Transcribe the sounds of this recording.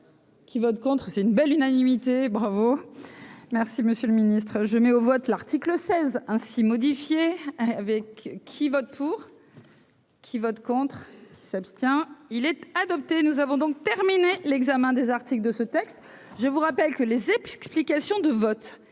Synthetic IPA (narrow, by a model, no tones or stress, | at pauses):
kʲivɔt̪kɔ̃t̪χsɛt̪ynbɛlynanimit̪ebʁavo | mɛʁsiməsjøləminist̪χʒəmɛovɔt̪laʁt̪ikləsɛzɛ̃simɔd̪ifjeavɛkʰːivɔt̪̚pʰuʁ | kʲʰivɔt̪kɔ̃t̪χkʲi̥sapst̪jɛ̃ilɛt̪ad̪ɔp̚t̪enuzavɔ̃d̪ɔ̃k̚t̪ɛʁminelɛɡzamɛ̃d̪ezaʁt̪ikld̪əsət̪ɛkst̪ʒəvuʁapɛlkəlezɛksplikasjɔ̃d̪əvɔt̪